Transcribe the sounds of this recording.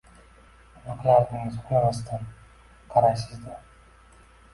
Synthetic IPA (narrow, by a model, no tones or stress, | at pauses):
mɑqlˠaɾnɪŋɪzolamast̪ʰan | qʰɑɾajsɪzd̪a